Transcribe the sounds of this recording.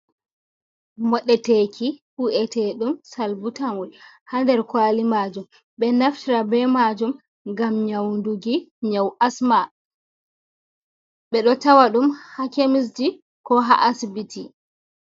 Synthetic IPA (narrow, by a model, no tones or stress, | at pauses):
mɔɗɛtekʰihuʔɛtɛɗumsalbutamɔl | handɛɾkwalimaːd͡ʒum | ɓɛnaftiɾabɛmad͡ʒum | ɡamɲawnduɡiɲawʔasma | ɓɛɗɔtawaɗumhakemis̬d͡ʒi | kɔɦa̰ʔasbitʰi